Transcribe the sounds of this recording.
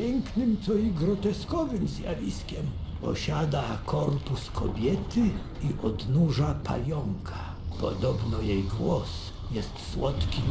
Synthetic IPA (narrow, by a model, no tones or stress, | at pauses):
pʲɛŋknʲɪmt̪sɔiɡɾɔt̪ɛskɔːvɪmzʲja̰vʲiskʲɛmpɔ̰ɕʲaːd̪akʰɔrpuskʰɔ̰bʲjɛt̪ɪ | iʔɔd̪nuʒapʰa̰lʲjɔŋkʰa | pɔ̰d̪ɔbnɔjɛjɡwɔs | jɛst̪swɔt̪kʲi